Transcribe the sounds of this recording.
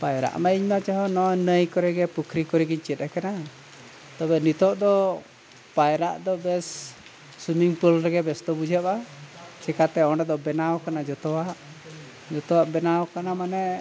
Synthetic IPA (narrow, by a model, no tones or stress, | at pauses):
pajɾa̰ʔmaiɲmat͡ʃaɦɔnɔnəjkɔɾɛɡɛpukʰɾikɔɾiɡiɲt͡ʃɛt̪̚ɛkana | t̪ɔbɛnit̪ɔʔd̪ɔ | pajɾa̰ʔd̪ɔbɛs | sumiŋpɔlɾɛɡɛbɛsd̪ɔbud͡ʒʱəpat͡ʃɛkat̪ɛɔɳɖɛd̪ɔbɛnawkanad͡ʒɔt̪ɔwaʔ | d͡ʒɔt̪ɔwaʔbɛnawkanamanɛ